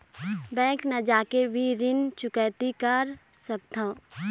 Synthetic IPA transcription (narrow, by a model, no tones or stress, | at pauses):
bɛ̃ːknɐd͡ʒaːkebʱiɾɪnt͡ʃʊkɛːt̪ikəɾsək̚t̪ʰãː